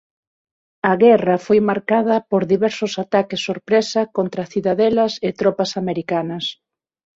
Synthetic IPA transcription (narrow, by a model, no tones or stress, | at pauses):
ɐɣɛrɐfojmaɾkað̞ɐpoɾðiβɛɾsʊsat̪akɪsːoɾpɾɛsɐkont̪ɾɐθiðaðɛlɐsɪt̪ɾɔpɐsameɾikanɐs